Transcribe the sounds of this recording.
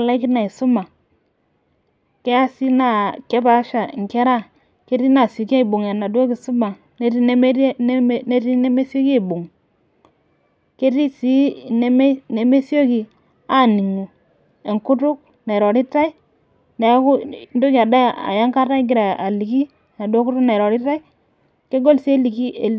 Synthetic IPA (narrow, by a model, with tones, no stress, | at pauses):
a˨la˦ki˦na˨i˨su˦ma˨ | ke˦ja˦si˦na˨ke˦ba˨˦ʃa˨ŋ˨ke˦ɾa˦ | ke˦ɾi˦na˨si˨ke˦i˨bu˨ŋja˨na˨do˦ki˨su˦ma˨ | ne˦ɾi˦n˦m˦ne˦ti˦ne˦me˦si˦o˦ke˦˨bu˨ŋ | ke˦ti˦si˦˨n˦m˦ne˨me˦si˦o˦ki˨ | a˦˨ni˨ŋu˨ | e˨ŋku˦tu˦k̚ | ne˨ɾo˨ɾi˦ta˦i˦ | ne˨jku˦n˦do˦ki˨a˨da˦a̰˨ja˦ŋka˦ta˦ɡi˨ɾa˨a˨li˨ki˦ | na˨do˦ku˦tu˦kne˨ɾo˨ɾi˦ta˦i˦ | ke˦ɡo˦lsi˦e˦li˨ki˦e˨